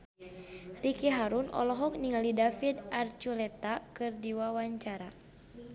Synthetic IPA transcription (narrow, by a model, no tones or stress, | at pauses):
rikɛɦaɾunɔ̰lɔɦɔk̚niŋalidafidart͡ʃulɛt̪akɨrdiwawaɲt͡ʃaɾa